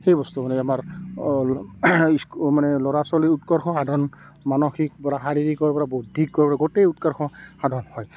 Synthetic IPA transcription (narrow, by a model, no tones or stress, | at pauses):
xejbɔst̪umanɛamaɹ | iskmanɛlɔɹasɔliutkɔɹxʰɔxadʱɔn | manɔxik̚bɔɹaɦaɹiɹikɔɹɛbɔɹabodʱikːɔɹɛbɔaɡɔtejutkɔɹxʰɔhadʱɔnhɔj